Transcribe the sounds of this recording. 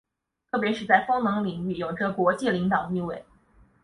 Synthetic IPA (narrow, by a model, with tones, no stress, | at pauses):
t̪ʰɤ˥˩p̬jɛ˧˥ʂɻ̩˥˧t͡sa˥˩ɪfɤ˥ŋnɤ˧˥ŋli˨˩ŋy˥˩jo˨˩ʊʈ͡ʂɤ˥˩pwɔ˧˥t͡ɕi˥˩li˧˥ŋt̪ɑ˨˩ʊt̪i˥˧we˥˩ɪ